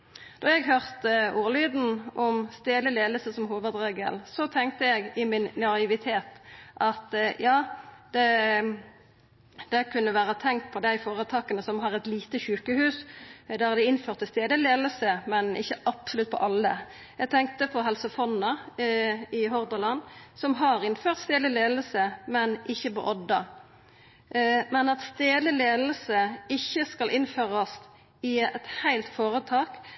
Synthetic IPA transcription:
d̪̥ɔjɛɡɦøːʁt̪ʔuːlyːd̪n̩ʔɔmst̪eːd̪əleːd̪əlsəsɔmɦuːʋəd̪ʁeːɡə̰lsɔt̪ʰɛŋk̚t̪əjɛɡɪmɪnːɑɪʋɪt̪ʰeːt̪ʔɑt̪jɑːd̪̥ɛ | d̪̥ɛkʰʉnːəʋæːʁət̪ʰɛŋk̚t̪̚pʰɔd̪æɪfoːʁət̪ʰɑːkənəsɔmɦɑʁɛt̪liːt̪əçʉːkəhʉːsd̪æd̪ɪɪnføːʁt̪ʰːɪst̪eːd̪əleːd̪əlsəmɛnɪ̰çːəʔɑpsʊlʉt̪̚pʰɔ̰ʔɑlːə̰ | jæɡt̪ʰɛŋk̚t̪əpʰɔɦɛlsəfɔnːɑ | ɪɦɔʁd̪əlɑnsɔmɦɑʁɪnføːʁt̪st̪eːd̪ɪleːd̪l̩səmɛnɪçːəpo̰ːʔɔd̪ːɑ | mɛnɑt̪st̪eːd̪əleːd̪l̩səɪçːəskɑlʔɪnføːʁɑs | ɪɛt̪hæɪlt̪foːʁət̪ʰɑːk

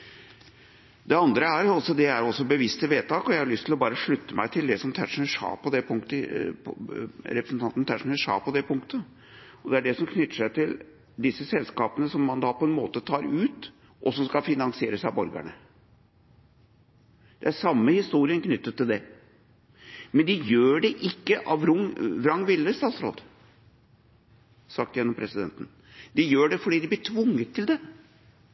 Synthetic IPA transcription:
d̪ɛɑnd̪ɾəæɾɑlsɔd̪ɛæɾɔsɔbəʋɪst̪ɪʋeːt̪ʰɑːkɔjæɪhɑɭʏst̪ʰɪlɔbɑːɾəʂɭʉt̪ːəmæɪt̪ʰɪld̪ɛsɔmt̪ʰæʂnəʂɑ̰ːpʰɔd̪ɛpʰʊŋkt̪ə | ɾɛpɾəsn̩t̪ɑnt̪nt̪ʰæʂn̩əʂɑ̰ːpʰɔd̪ɛpʰʊŋkt̪ʰə | ɔd̪ɛæɖɛsɔmkʰnʏt̪ːə̥ʂæɪt̪ʰɪl | d̪ɪsːəsɛlskɑːpənəsɔmːɑnd̪ɑːpɔɛnmoːt̪ət̪ʰɑːɾʉːt̪ | ʔɔsɔmskɑfɪnɑŋsɪeːɾəsæbɔɾɡæ̰ɳə | d̪̥ɛæʂɑmːəhɪst̪uːɾɪənknʏt̪ːət̪ʰːɪld̪ɛ | mɛnd̪ɪjøːɖɛʔɪkːəʔɑʋɾʊŋʋɾɑŋːʋɪlːəst̪ɑːt̪sɾo̰ːd̪ | sɑk̚t̪jɛnːɔmpʰɾɛsɪd̪ɛ̰nt̪ən̩ | d̪ɪjøːɖɛfɔɖiːd̪ɪblɪʈʰʋʊŋːət̪ʰːɪld̪ɛ

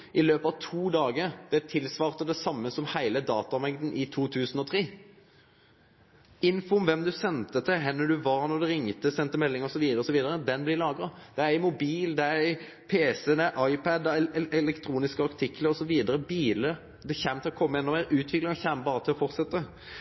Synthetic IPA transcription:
ʔɪløːpɑʋt̪ʰuːd̪ɑːɡəɾd̪̥ɛæt̪ʰɪlsʋɑːʁt̪əd̪ɛsɑmːəsɔmhæɪləd̪ɑːt̪ɑmɛŋd̪ən̩ʔɪt̪ʰuːt̪ʰʉːsənɔt̪ʰɾeː | ɪnfʊmʋɛmd̪ʉsɛnt̪ət̪ʰɪɦɛnːəd̪ʉʋɑɾnɔd̪ʉɾɪŋːt̪əsɛnt̪ːəmɛlːɪŋɔsɔʋiːd̪ɾɔsɔʋiːd̪əɾəd̪ɛnblɪlɑːɡɾɑ | d̪̥ɛææɪmʊbiːld̪ɛæɾæɪ | pʰeːsɛd̪ɛæʔɑɪpʰæd̪ɛɛlɛkt̪ʰɾuːnɪskəɑɾt̪ʰɪkləɾɔsɔʋiːd̪əɾəbiːlə | d̪ɛçæːmt̪ɪlɔkʰɔmːəɛnːɔʋæːɾʉːt̪ʰʋɪklɪŋɑçæːməbɑːɾət̪ʰɪlɔfɔʁt̪sɛt̪ːə

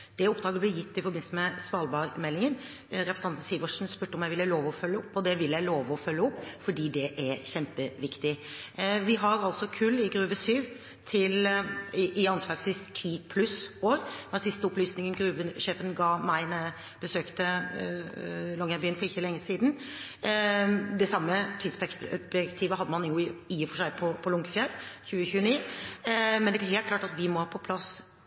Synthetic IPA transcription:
d̪̥ɛɔpd̪ɾɑːɡəəblɪjɪt̪ːɪfɔɾbɪn̩səmɛsʋɑːlbɑːɾmɛlːɪŋən | ɾɛpɾəsɑnn̩siːʋɔʂn̩spʉːʈːəɔmjæɪʋɪlːəloːʋɔfœlːəɔpːɔd̪ɛʋɪlːjæɪloːʋɔfœlːəɔpːfɔɖiːd̪ɛʔæɾçɛmpəʋɪkt̪ɪ | ʋɪɦɑɾɑlsɔkʰʉlːɪɡɾʉːʋəsyːʋ | t̪ʰɪl | ʔɪɑnslɑːɡsɪst̪ʰiːpʰlʉsoːɾmɑsɪst̪əɔplyːsnɪŋənɡɾʉːʋənʂeːfənɡɑːmæɪnə | b̥əsøːkt̪ə | lɔŋːæɾbiːnfɔɾɪçːəlɛŋːəsiːd̪n | d̪ɛsɑmːət̪ʰiːd̪sbɛbjɛkt̪ʰiːʋəɦɑd̪əmɑnɪʊiːəfɔʂæɪpʰɔpʰɔlʊŋɡəfjɛlːçʉːəçʉːniː | mɛnd̪ɛææɾɦeːl̚klɑːʈɑt̪ʋɪmɔhɑːpʰɔpʰlɑs

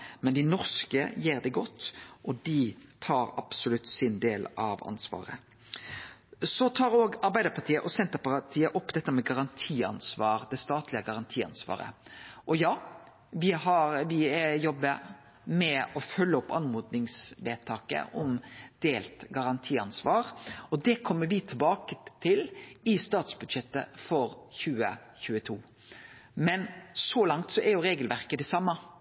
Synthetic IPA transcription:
mɛnd̪ɪnɔʁskəjeːʁd̪ɛɡɔt̪ːʔɔd̪ɪt̪ʰɑːɾɑ̰psʊlʉt̪sɪnd̪eːlɑʋɑ̰nsʋɑ̰ːʁə̰ | sɔt̪ʰɑːɾoːɡɑɾbæɪd̪əɾpʰɑt̪ʰiːəʔɔsɛnt̪əpɑt̪ʰiːəʔɔpːd̪ɛt̪ːəmɛɡɑɾɑnt̪ʰiːɑ̰nsʋɑːɾd̪ɛst̪ɑːt̪lɪəɡɑʁɑnt̪ʰiːɑ̰nsʋɑ̰ːɾə̰ʔɔjɑː | ʋɪɦɑɾʋɪjɔbːəɾ | mɛɔfœlːəɔpːɑnmuːd̪nɪŋsʋeːt̪ʰɑːkə̰ʔɔmd̪̥eːlt̪ɡɑɾɑnt̪ʰiːɑ̰nsʋɑːɾɔd̪ɛkʰɔmːəɾʋɪt̪ʰɪlbɑːkət̪ʰɪlɪst̪ɑːt̪sbʉd̪ʂɛt̪ːə̰fɔɾçʉːə̰çʉːət̪ʰuː | mɛnsɔlɑŋt̪sɔʔæɾjʊɾeːɡəlʋæɾkəd̪ɛsɑmːə

